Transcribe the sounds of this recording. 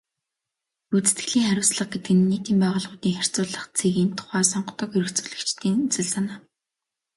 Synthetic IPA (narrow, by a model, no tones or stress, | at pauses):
ut͡sɘ̥̆t̪ɡɘ̆ɮiːŋχæɾʲʊ̆ːsɮə̆χ̚ɡet̪ɘ̆ɡɘ̆nːiːt̪iːmpæːʁʊ̆ːɮʁʊːt̪iːŋχær̥ʲt͡sʊːɮə̆χt͡sʰeɣiːnt̪ʰʊ̥χæːsɔɴɢt̪ɞ̆keɾɘ̆kt͡sŭ̥ɮɘ̆kt͡ɕt̪ʰiːŋt͡sɵ̆ɮsanaː